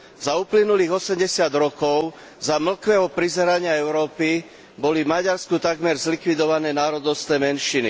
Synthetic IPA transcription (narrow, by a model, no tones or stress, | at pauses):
zauplinuliːɣɔsɛmɟɛsɪad̪ɾɔkɔʊ | zaml̩kʋɛːɦɔpɾizɛɾaɲɪaɛʊɾɔːpi | bɔlivmaɟaɾskut̪aɡmɛɾzlikʋid̪ɔʋanɛːnaːɾɔd̪ɔʊst̪nɛːmɛnʃinḭ